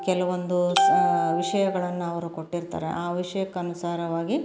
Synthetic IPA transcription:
kɛlɐʋond̪u | ʋiʂɐjɐɡɐɭɐnːuɐʋɐɾuko̞ʈːiɾt̪a̰ːɾḛʔaːʋiʂɐjɐkːɐːnusaːɾɐʋaːɡi

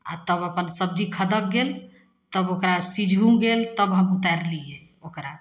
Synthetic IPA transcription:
a̰t̪əbəpənsəb̚d͡ʒʱikʰəd̪ək̚ɡel | t̪əbokɾasid͡ʒʱũɡelt̪əbɦəmut̪aɾlie | okɾa

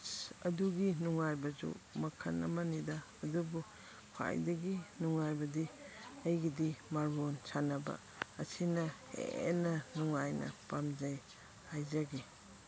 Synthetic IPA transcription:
ɐ̰duɡinuŋajbɐzṵmɐkʰanɐ̰mɐnidaːdubu | kʰwa̰jdɐɡinuŋajbɐdiɐjɡidimaɾbonsʰanɐbɐ̰ | ɐsʰinɐhḛnɐnuŋajnɐ̰pamzaj | hajzaɡi

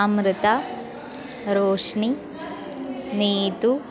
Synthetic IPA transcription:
mɾɪt̪ɐ | ɾoːʂɳi | niːt̪u

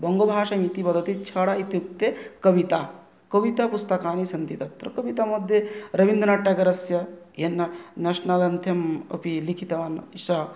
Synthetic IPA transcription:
bɐŋɡobʱaːʃɐmit̪ipɐd̪ʱɐt̪it͡ʃʰɐːɽait̪juk̚t̪ekɐʋit̪a | kɐʋit̪ɐpust̪ɐkaːnisɐnt̪it̪ɐt̪ɾɐkɐʋit̪amɐd̪ʱjeɾɐʋind̪ɐnaʈːjɐɡɐɾɐsjɐ | jenːɐnɐʃnɐlɐnt̪ʰjɐmɐ̰pilikʰit̪ɐʋaːnʃɐ

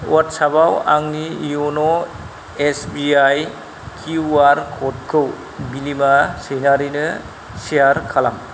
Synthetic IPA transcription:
watsabawa̰ŋnijuno | esbiaj | kʰuwaɾkʰɔt̚kʰɯw | bilimasejnaɾinɯ | sijaɾkʰala̰m

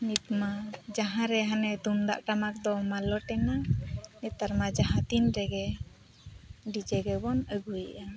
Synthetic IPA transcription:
nit̪mad͡ʒaɦãɾɛɦanɛt̪und̪a̰ʔʈamak̚d̪ɔmalɔʈɛŋanɛt̪aɾmad͡ʒaɦãt̪inɾɛɡɛ | ɖid͡ʒɛɡɛbɔnəɡujʔa

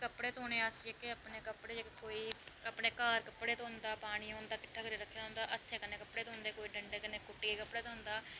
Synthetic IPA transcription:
kəpɽeːt̪oːneːaseːkɪəpɳeːkəpɽeːd͡ʒəkkoːiːəpɽeːkaːɾkəpːɽeːt̪ːɦʊ̃nd̪aːpaːɽ̃iːõːnd̪aːkɪʈʰːaːkəɾeːɾəkʰːeːd̪aɦʊ̃ːnd̪aːʔət̪ʰːeːkɪneːkəpɽeːt̪oɦʊ̃nd̪eːkoːiːɖəɳɖeːkɪneːkʊʈːiːeːkəpːɽeːt̪ɦʊ̃nd̪aː

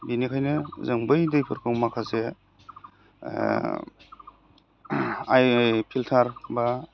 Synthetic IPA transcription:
binikʰajnɯzɯŋbɯjdɯjpʰɯɾkʰɯwmakʰaze | ajpʰiltʰaɾba

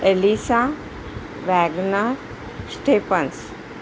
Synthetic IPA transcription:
elisa | ʋɛːɡnəɾ | sʈeːpəns

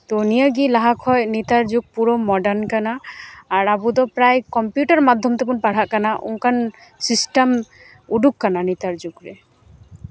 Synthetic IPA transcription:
t̪onijaɡilaɦakʰɔjnit̪aɾd͡ʒuɡ̚puɾɔmɔɖankanaːɾabud̪ɔpɾajkɔmpjuʈaɾmad̪ʱːɔmt̪epunpaɽ̤aʔkanaʔṵŋkʰansisʈam | uɖukːananit̪aɾd͡ʒuɡɾe

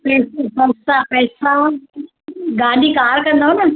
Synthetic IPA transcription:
pessɐsapɛːsã | ɡaːɗikaːɾkɐ̃nd̪oɦonɐ

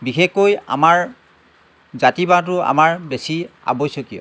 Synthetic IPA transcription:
bixexkoja̰maɹ | zatibat̬ʊa̰maɹbesia̰bojsokijɔ̰

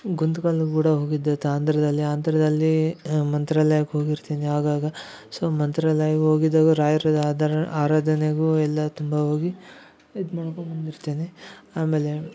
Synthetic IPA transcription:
ɡund̪kaːɭɐɡkuːɽɐɦo̞ːɡid̪ːɐt̪aːnt̪ɐɾɐd̪ɐlːiaːnt̪ɐɾɐd̪ɐlːimɐnt̪ɾalɐjɐkɦoːɡiɾt̪eːneɦaːɡaːɡɐ | soːmɐnt̪ɾɐlɐjɐkɦo̞ːɡid̪ːaːɡɐɾaːjiɾod̪d̪aːɾaːd̪ɐneɡuɛlːɐt̪umbɐɦo̞ːɡi | id̪mɐɽɐkombond̪iɾt̪eːneaːme̞ːle̞

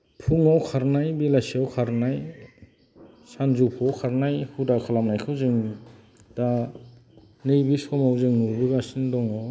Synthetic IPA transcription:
pʰuŋawkʰaɾnajbilasiawkʰaɾnaj | sanzupʰɔkʰaɾnajhudakʰalamnajkʰɯwzɯŋi | d̥a | nɯjbisɔmawzɯŋnubiɡasindɔŋɔ

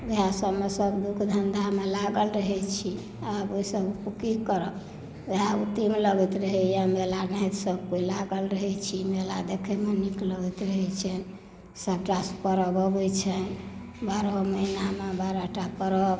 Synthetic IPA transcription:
ʋeɦasəbmesəbd̪ukʰd̪ʱənd̪ʱamelaɡəlɾəɦɛt͡ʃʰi | aboisəbpukikəɾɔ | d͡ʒeɦaut̪imləɡɛt̪ɾəɦɛjamelanit̪səb̚koilaɡəlɾəɦɛt͡ʃʰimelad̪ekʰɛmenikləɡɛt̪ɾəɦɛt͡ʃʰɛn | səb̚ʈaspəɾəbɔbɛt͡ʃʰɛn | baɾəməinamebaɾəʈapəɾɔb

